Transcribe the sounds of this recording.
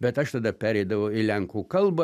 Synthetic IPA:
bʲɛt̪ɐʃt̪ɐd̪ɐpʲæːɾʲɛɪd̪ɐʋɐʊɪlʲɛŋkuːkɐlˠbɐ

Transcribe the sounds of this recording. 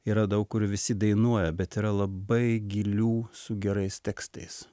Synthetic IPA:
iːɾɐd̪ɐʊkkʊɾʋʲɪsʲɪd̪ɐɪnuɔjɛbʲɛt̪iːɾɐlˠɐbɐɪɡʲilʲuːsʊɡʲɛɾɐɪst̪ʲɛkst̪ɐɪs

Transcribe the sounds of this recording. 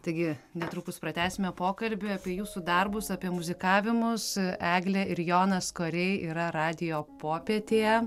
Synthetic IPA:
t̪ɐɪɡʲɪnʲɛt̪ɾuːkʊspɾɐt̪ʲæːsʲɪmʲɛpoːkɐlʲbʲʊɐːpʲiɛjuːsud̪ɐrbʊsɑːpʲiɛmʊzʲɪkɑːʋʲɪmʊsæːɡlʲɛɪɾjoːnɐskoːɾʲɛɪiːɾɐɾɑːd̪ʲɪjoːpoːpʲeɛt̪ʲeːjɛ

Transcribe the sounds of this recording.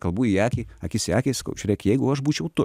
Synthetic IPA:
kɐlˠbuːjijæːkʲiːɐkʲɪsæːkʲeːsɐ̥kɐ̰ʊt͡ʃʲʊɾʲɛɪkjɛɪɡʊɐʃbuːt͡ʃʲɛʊt̪ʊ

